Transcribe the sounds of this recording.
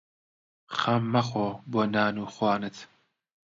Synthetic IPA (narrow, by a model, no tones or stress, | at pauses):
χɐmːɐχoːboːnaːnuːxwɑːnɨt̪ʰ